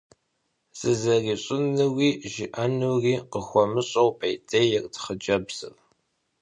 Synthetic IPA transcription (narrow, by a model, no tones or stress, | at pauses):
z̥ɨzɐriːɕʼɪnɨwiːʒɪʔɐnuwriːqəxʷɔmɨɕʼɐwpʰɐjtʼʰejɛrtʰχəd͡ʒɐbz̥ɨ̰r